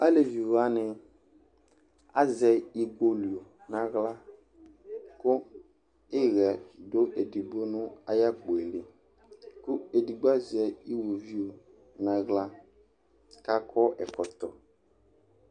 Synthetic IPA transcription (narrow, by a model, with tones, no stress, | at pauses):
a˦le˨vi˨wa˦nɪ˦ | a̰˦zɛ˨i˦ɡo˦li˨o˨ | nã˦ɣla˦ | kʊ˦ | ɪ˦ɣɛ˨do˦ʔe˨di˨ɡ͡bo˦nʊ̃˦a˦ja˦ɡ͡bo˨e˨le˨ | kʊ˦e˨di˨ɡ͡ba˦zɛ˨i˦wo˨vi˦o˨ | nã˨ɣla˦ | ka˦kʰɔ˦ʔɛ˨kɔ˨t̪ɔ˨